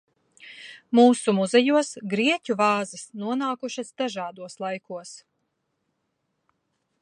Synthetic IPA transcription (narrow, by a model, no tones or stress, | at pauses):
muːsumuzɛjuɔsɡɾiɛcʲuvɑːzisnuɔnaːkuʃasd̪aʒaːd̪uɔslˠajkuɔs